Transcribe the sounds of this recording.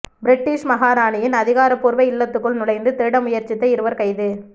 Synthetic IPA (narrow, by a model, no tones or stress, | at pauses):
bɪɾɪʈːiːʂmɐɣaːɾaːɳɪjɪnɐðɪɣaːɾɐpːuːɾʋɐɪɪlːɐt̪ːɯkːɯɭnʊlɐɪnd̪ɯt̪eːɽɐmʊjɐɾt͡ʃɪt̪ːɐɪɾɯʋɐɾkɐɪðɯ